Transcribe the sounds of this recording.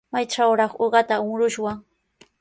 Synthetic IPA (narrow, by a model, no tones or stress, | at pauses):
majʈ͡ʂawɾɑχoɢɑt̪aʊŋɾʊʃwaŋ